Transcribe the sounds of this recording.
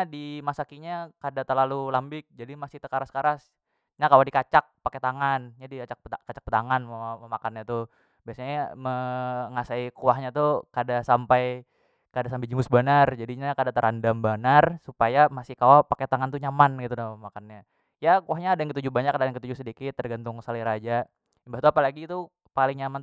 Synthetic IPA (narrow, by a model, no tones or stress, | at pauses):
ɲadimasakiɲakadat̪ərlalulambɪk̚d͡ʒadimasɪht̪əkaɾaskaɾas | ɲakawadikat͡ʃak̚paket̪aŋanɲadikat͡ʃak̚p̪akat͡ʃḁk̚pət̪aŋanmməmakanɲat̪u | biasaɲaməŋasaikuaɦɲat̪ukadasampaj | kadasampad͡ʒəmʊsbanard͡ʒadiɲakadat̪əɾʔandambanarsupajamasɪhkawapaket̪aŋant̪uɲamanɡit̪unamakanɲa | jakuahɲaːdajaŋkət̪ud͡ʒubaɲakːadajaŋkət̪ud͡ʒusədikɪt̪ːərɡant̪ʊŋsaliɾad͡ʒa | mbat̪uapalaɡit̪u | palɪŋɲaman